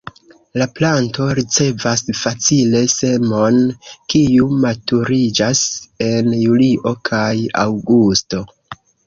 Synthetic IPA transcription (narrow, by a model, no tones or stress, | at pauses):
laplanto̞ɾit͡se̞vasfat͡sile̞se̞mo̞nkiumatuɾid͡ʒase̞njuliʔo̞kʰaja̰wɡusto̞